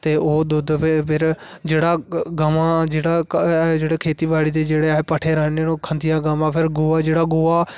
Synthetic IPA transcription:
t̪eːoːd̪ʊd̪pʰɪpʰɪɾ | d͡ʒeːɽaːɡəmãːd͡ʒeːɽaːd͡ʒeːɽeːkʰeːt̪iːbaːɽiːd̪eːd͡ʒeːɽeːpəʈʰeːɾəːneokʰənd̪ijãːɡəmãːpʰɪɾɡʊaːd͡ʒeːɽaːɡʊːaː

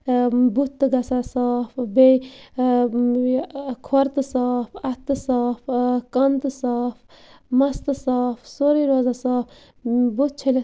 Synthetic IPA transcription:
but̪ːɨɡɐsasaːpbej | kʰwɐɾt̪ɨsaːpʰɐt̪ːɨsaːpkɐnt̪ɨsaːpʰ | mɐst̪ɨsaːpsoɾiɾoːzasaːpʰ | but̪̚t͡ʃʰɐle

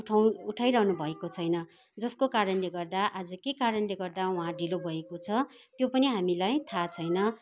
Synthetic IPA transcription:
ʈʰawuʈʰajɾʌɦnubʱʌekot͡sʰʌjnʌ | d͡zʌskokaɾʌnleɡʌrd̪aʔad͡zʌkekaɾʌnleɡʌrd̪aw̃ɦãɖilobʱʌekot͡sʰʌ | t̪jopʌniɦamilajt̪ʰat͡sʰʌjnʌ

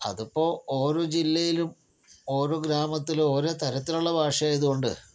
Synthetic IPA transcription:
ɐ̰ðupːo̞ːo̞ːɾo̞ːd͡ʑilːɐjilum | o̞ːɾo̞ːɡɾaːmɐt̪ːilo̞ːɾo̞ːt̪ɐɾɐt̪ːiluɭːɐbʱaːʂjɐaːjɐðuɣo̞ɳɖɨ̰

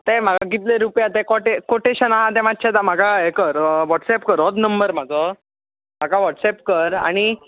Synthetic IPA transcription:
t̪em̤aɡaɡit̪leɾupjat̪ekoʈekoʈeɕənaɦat̪̬ɛʋatːt͡ɕʰɛt̪am̤aɡaekəɾʋɔʈsɛpkəɾɔt̪nəmbəɾm̤ad͡zɔ | m̤aɡaʋɔʈsɛp̚kəɾa̰ɽ̃i

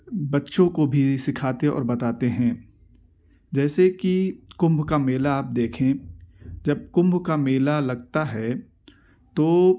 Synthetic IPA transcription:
bɐtːʃõkobʱisɪkʰaːt̪eɔ̰ːɾbɐt̪aːt̪eɦɛ̃ | d͡ʒɛːsekikʊ̃mbʱkameːlaːp̚d̪eːkʰẽ | d͡ʒɐb̚kʊ̃mbʱkameːlalɐɡ̚t̪aɦɛ | t̪oː

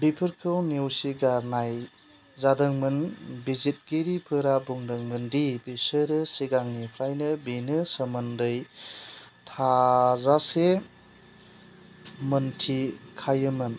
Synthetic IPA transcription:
bipʰɯɾkʰɯwnewsiɡaɾnaj | zadɯŋmɯnbizit̚ɡiɾipʰɯɾabuŋdɯŋmɯndibisɯɾɯsiɡaŋnipʰɾajnɯbinɯsəmɯndɯj | tʰazase | mɯntʰikʰajɯmɯn

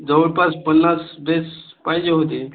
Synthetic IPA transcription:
d͡zəʋəɽpaspənːasbes | pajd͡ʑeɦot̪̬e

